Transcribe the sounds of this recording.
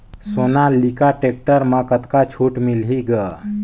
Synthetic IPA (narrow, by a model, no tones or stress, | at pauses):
sonalikaʈek̚ʈəɾmãkət̪kat͡ʃʰuːʈmilɦiɡə